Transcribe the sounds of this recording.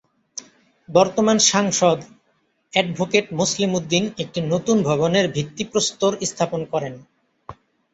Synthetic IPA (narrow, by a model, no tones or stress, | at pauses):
bɔɾt̪omanʃaŋʃod̪ | ɛɖbʱokeʈmuslimud̪ːinek̚ʈinot̪unbʱɔβoneɾbʱikt̪ːipɾost̪oɾist̪ʰaponkɔɾen